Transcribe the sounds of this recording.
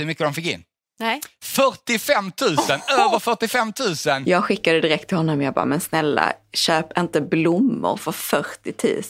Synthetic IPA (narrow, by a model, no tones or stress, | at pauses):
ɵmʏkːəd̪ɔmfɪkːɪ̰nː | fœʈɪfɛmːt̪ʰʉ̟ːsənøːvəɾfœʈɪfɛmːt̪ʰʉ̟ːsənjɑːɡɧɪkːad̪əd̪ɪɾɛk̚t̪ʰːɪlhɔnːɔmjɑːɡ̚bɑ̰ːmɛnsnɛlːa̰ɕøːpɪnt̪əblʊmːʊ̰ɾfœɾfœʈːɪt̪ʰʉ̟̰ːs